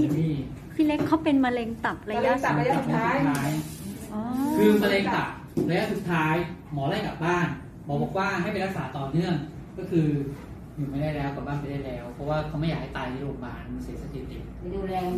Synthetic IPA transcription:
miː˧˥˩ | sʰi˥le˦˥kʰːa˦˥wpe˧nma˧le˧ŋt̪a˨˩p̚ɾa˧ja˧˥˨a˥˨˩aː˦˥˦aː˦˥jʔɔ˧kʰɯː˧ma˧leː˧ŋt̪a˨˩p̚ɾla˧ja˥ʔsu˨˩t̪ʰːaː˦˥jmɔː˨˩˦laː˥˩jka˨˩p̚baː˥˩n | bɔː˨˩bɔː˨˩˦k̚waː˥˩ɦa˥˩jpa˧nɾa˦˥k̚saː˩˦t̪ɔː˨˩nɯ˥˩əŋ | kɔː˥˩kʰɯː˧ | juː˨˩ma˧˥˩daː˥˩jlɛː˦˥wka˨˩baː˥˩npa˧˩jda˥˩jlɛː˦˥wpʰɔ˦˥waː˥˩kʰa˦wma˥˩jaː˨˩ha˥˩jt̪aː˧jni˦˥˩o˧ma̰ː˧˩nma˧nsi˨˩˦sa˧k̪ʰiː˧˥t̪i˨˩k̚duː˧ɛː˧

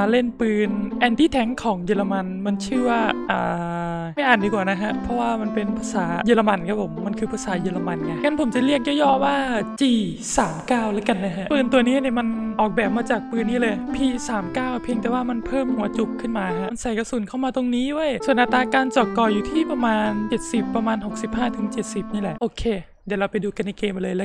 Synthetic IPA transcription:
le˥˩npɯː˧nʔɛː˧nt̪iː˥˩t̪ʰɛ˨˦˥ŋkʰɔː˩˦ŋjɤː˧la˧ma˧nma˧nt͡ɕʰɯː˥˩waː˥˩ʔa̰ː˨˩ | ma˥˩jʔaː˨˩ndiː˧kwaː˨˩na˦˥kʰa˦˥ʔpʰɾɔ˦˥waː˥˩ma˧npe˧npʰa˧saː˩˦jəː˧la˧ma˧nkʰa˦˥pʰːo˩˦mːa˧nkʰɯː˧pʰaː˧saː˩˦jəː˧la˧ma˧nŋa˧˩ŋa˦˥npʰo˩˦mt͡ɕa˨˩li˥˩ək̚jɔː˥˩jɔː˥˩waː˥˩t͡ɕiː˧˩ | saː˩˦mkaː˥˩wla˦˥ka˧nːa˦˥ɦʰa˦˧˥ʔpɯː˧nt̪u˧ɐniː˦˥ni˧˩əma˧nʔɔː˨˩k̚bɛː˨˩p̚maː˧t͡ɕaː˨˩k̚pɯː˧nːiː˥˩lɤː˧jpʰiː˧˩saː˩˦mkaː˥˩wpʰi˧əŋt̪ɛː˨˩waː˧˥˩ma˧npʰɤː˥˩mhu˩˦ɐt͡ɕu˧˦˥k̚kʰːɯ˥˩nmaː˧ɦa˧˥˧nsa˨˩jka˧suː˨˩˦nkʰa˥˩wmaː˧t̪o˧ŋniː˦˥du˥˩ə˨jsu˨˩ənʔa˨˧t̪ːaː˧kaː˧nt͡ɕɔː˨˩kːɔː˧˩juː˨˩t̪ʰiː˥˩pa˧maː˧nt͡ɕe˨˩t̪̚si˨˩pːɾa˧maː˧nɦo˨˩k̚si˨˩p̚haː˥˩t̪ʰɯ˨˩˦ŋt͡ɕe˨˩t̪̚si˨˩p̚niː˥˩lɛ˨˩ʔoː˧kʰeː˧ | dɛ˨˩˦ɾa˧wpa˧jduː˧ka˧nːa˧jkeː˧mʔa˧˨lɤː˧jlɛː˦˥

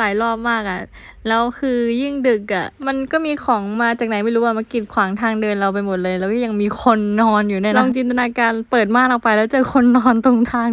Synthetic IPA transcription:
laː˩˦jlɔː˥˩p̚maː˥˩k̚ʔa˨˩ | lɛː˦˥wkʰɯː˧ji˥˩ŋdɯ˨˩k̚ʔa˨˩ma˧nkɔː˥˩miː˧kʰɔː˩˦ŋmaː˧t͡ɕaː˨˩k̚na˩˦jma˥˩jɾuː˦˥waː˧˥˩ma˧nki˨˩t̪̚kʰwaː˩˦ŋt̪ʰaː˧ŋdɤː˧nɾa˧wp̬a˧jmo˨˩t̪̚lɤː˧jlɛː˦˥wkɔː˥˩ja˧ŋmiː˧kʰo˧nːɔː˧njuː˨˩na˧˥˩nɔː˧˥˩ŋt͡ɕi˧nt̪a˧naː˧kaː˧npɤː˨˩t̪̚maː˥˩n̚lɔː˨˩pa˧jlɛː˦˥wt͡ɕɤː˧˩kʰo˧nːɔː˧nt̪o˧ŋt̪ʰaː˧ŋ

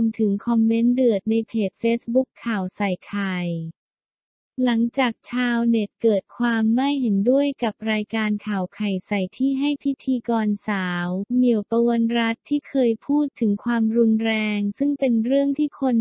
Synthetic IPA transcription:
mt̪ʰɯ˩˦ŋkʰɔ˧mːe˦˥ndɯ˨˩ət̪̚na˧jpʰeː˨˩t̪̚feː˦˥sbu˦˥kʰːaː˨˩wsa˨˩jkʰa˨˩j | la˩˦ŋt͡ɕaː˨˩k̚t͡ɕʰaː˧wne˨˩t̪̚kɤː˨˩t̪̚kʰwaː˧mːa˥˩jhe˩˦ndu˥˩əjka˨˩p̚ɾaː˧jkaː˧nkʰaː˨˩wkʰa˨˩jsa˨˩jt̪ʰiː˥˩ɦa˥˩jpʰi˦˥t̪ʰiː˧kɔː˧nsaː˩˦wmi˨˩əwpa˧wa˧nɾa˦˥t̪ʰːiː˥˩kʰɤː˧jpʰuː˥˩t̪ʰːɯ˩˦ŋkʰwaː˧mɾu˧nɾɛː˧ŋsɯ˥˩ŋpe˧nɾɯ˥˩əŋt̪ʰiː˥˩kʰo˧n

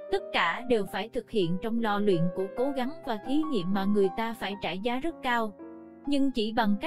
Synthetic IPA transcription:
t̪ə˦˥t̚kaː˧˩ɗe˨˩wfaː˧˩jt̪ʰɨ˨˩k̚hḭ˧˨ənt͡ɕɔ˧wŋ͡mlɔ˧lwḭ˧˨ənku˧˩əko˨˦ɣa˨˦ŋvaː˨˩t̪ʰi˨˦ɲḭ˧˨əmːaː˨˩ŋɨ˨˩əjt̪aː˧faː˧˩jt͡ɕaː˧˩jzaː˨˦zə˦˥t̚kaː˧w | ɲɨ˧ŋt͡ɕi˧˩ɓa˨˩ŋka˦˥

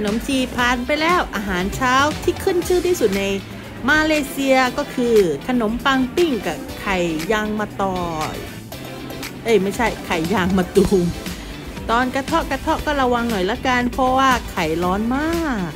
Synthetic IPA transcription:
ka˧no˨˩˦msiː˧pʰaː˧˩npa˧jlɛː˧˥˩wʔaː˧ɦaː˨˩˦nt͡ɕʰaː˦˥wt̪ʰiː˥˩kʰɯ˥˩˨nt͡ɕʰɯː˥˩˨t̪ʰiː˥˩su˨˩t̪̚na˧j | maː˧leː˧si˧ɐkɔː˥˩kʰɯː˧kʰa˧no˨˩˦mpaː˧ŋpi˥˩ŋka˨˩kʰa˨˩jːaː˧ŋmaː˧t̪ɔː˧˩ | ʔɤ˧˩jma˥˩jt͡ɕʰa˥˩jkʰa˨˩jːaː˧ŋmaː˧t̪u˧ŋ | t̪ɔː˧nka˧t̪ʰɔ˦˥˩ka˧t̪ʰɔ˥˩kɔː˥˩la˧wa˧ŋnɔ˨˩jla˦˥˩ka˧npʰɔ˧waː˥˩kʰa˨˩jlɔː˦˥nmaː˥˩k̚

